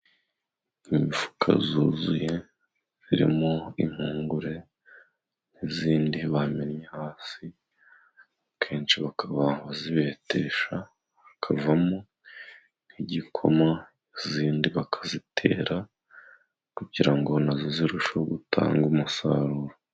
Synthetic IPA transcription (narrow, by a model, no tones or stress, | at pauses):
imifu̥kʰa̰zuːzuje̞ | z̥iɾḭmoḭm̥huːŋɡuɾe̞ | n̥iziːndiβamenjehaːsi | kʰe̞ːnt͡ʃiβakʰaβaβaziβe̞ːte̞ʃa | βakʰavamo | n̥hiɟikʰo̞̰ma | iziːndiβakʰḁzitʰe̞̰ːɾa | kuɟiɾaŋɡo̞naziziɾuʃoɡutʰa̰ːŋɡumusa̰ɾuːɾo